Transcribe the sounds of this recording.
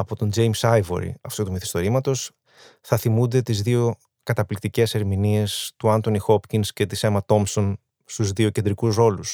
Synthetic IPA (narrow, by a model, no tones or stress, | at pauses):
ɐpo̞t̪o̞nd͡ʒe̞jmsɐjvo̰ɾḭɐft̪ut̪umiθi̥st̪o̞ɾimɐt̪o̞s | θɐθimund̪e̞t̪izðio̞ | kɐt̪ɐplikt̪ice̞se̞ɾminie̞st̪uɐnt̪o̞nixo̞pcinsce̞t̪ise̞mɐt̪o̞mso̞n | st̪uzðio̞ce̞nd̪ɾikusɾo̞lus